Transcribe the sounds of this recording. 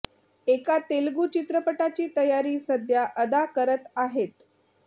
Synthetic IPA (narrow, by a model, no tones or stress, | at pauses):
ekat̪elɡuːt͡ɕit̪ɾəpəʈat͡ɕiːt̪əjaɾiːsəd̪ʱjaʔəd̪akəɾət̪aɦet̪